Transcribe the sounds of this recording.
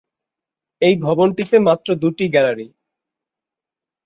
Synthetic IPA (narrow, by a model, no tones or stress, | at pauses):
ejbʱɔbonʈit̪emat̪ːɾod̪uʈiɡɛlaɾi